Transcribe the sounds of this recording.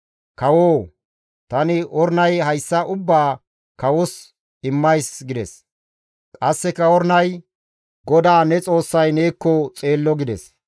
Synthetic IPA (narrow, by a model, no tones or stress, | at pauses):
kɐwoː | t̪ɐnɪʔɔɾnɐjɦɐjsːɐʔʊbːaː | kɐwɔs | ɪmːɐjsɡɪd̪ɛ̰s | kʼɐsːɛkːɐɔɾnɐj | ɡɔd̪aːnɛt͡sʼo̞ːsːɐjne̞ːkːɔt͡sʼe̞ːlːɔɡɪd̪ɛs